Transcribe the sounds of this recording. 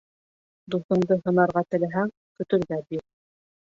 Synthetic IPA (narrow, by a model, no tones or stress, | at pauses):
d̪uθɤ̆nd̪ɤɦɤ̆nɑɾʁɑt̪ɘ̆læɦæŋ | kɵ̆t̪ɵ̆ɾɡæbiɾ